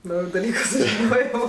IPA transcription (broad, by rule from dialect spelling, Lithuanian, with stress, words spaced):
ˈnɐʊjʊ dɐˈlʲiːkʊ sʊʒʲɪˈnoːjoː